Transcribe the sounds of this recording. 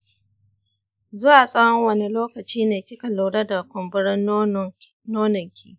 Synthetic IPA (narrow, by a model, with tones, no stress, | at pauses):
zʊ˦waː˨sʼɐ˦wɐ˦ŋwɐ˦ni˦loː˦kɐ˨t͡ʃiː˦neː˨kʲɪ˦kɐ˨lo˨wɽɐ˦da˨kʷʊ˨mbʊ˦ɽɪ˦n | noː˦nɪ˨ŋkʲʰḭː˦